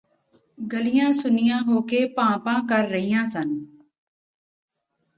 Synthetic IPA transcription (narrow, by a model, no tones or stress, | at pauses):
ɡəlɪjãːsʊnɪjãːɦoːkeːpãːpãːkəɾːəɦijãːsən